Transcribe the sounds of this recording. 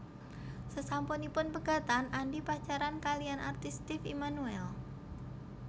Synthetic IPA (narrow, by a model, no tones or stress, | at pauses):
səsampunipʊnpəɡ̥a̤t̪anʔandipat͡ʃaɾankaliana̰rt̪ɪst̪ɪfḭmanuɛl